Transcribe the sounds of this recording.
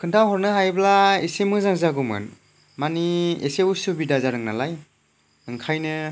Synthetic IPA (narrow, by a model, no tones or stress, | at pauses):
kʰɯntʰawɦɔɾnɯɦajblaesemɯzaŋzaɡumɯ̰n | maniḛseusubidazaɾɯŋna̰laj | ɯŋkʰajnɯ